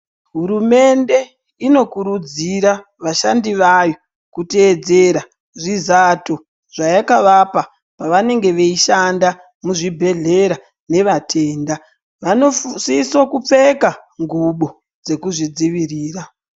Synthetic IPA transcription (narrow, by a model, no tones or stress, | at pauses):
ɦuɾume̞nde̞ | ino̞kuɾud͡ziɾa | ʋaʃandiʋajo̞ | kuteːd͡ze̞ɾa | ʐizato̞ | ʐ̥ajakaʋapa | paʋane̞ŋɡe̞ʋe̞iʃanda | muʐibʱe̞ɮe̞ɾa | ne̞ʋatʰe̞ːnda | ʋanosisokup͡fe̞kaŋɡuɓo̞ | d͡ze̞kuʐid͡ziʋiriːra